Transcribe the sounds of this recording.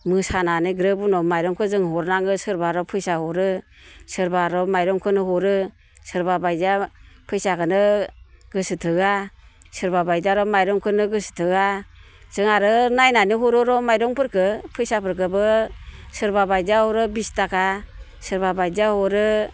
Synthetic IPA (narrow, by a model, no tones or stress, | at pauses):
mɯsananɯɡɾɯbunɔmajɾɔŋkʰɯzɯŋɦɔɾnaŋɯsɯɾbaɾɔpʰɯjsahɔɾɯ | sɯɾbaɾɔmajɾɔŋkʰɯnɯɦɔɾɯ | sɯɾbabajzapʰɯjsakɯnɯɡɯsɯtʰɯɡasɯɾbabajzaɾɔmajɾɔŋkʰɯnɯɡɯsɯ̥tʰɯɡa | z̥ɯŋaɾɯnajnanɯɦɔɾɔɾɔmajɾɔŋpʰɯɾkɯpʰɯjsapʰɯɾk̬ɯbɯsɯɾbabajzahɔɾɯbistakʰa | sɯɾbabajzahɔɾɯ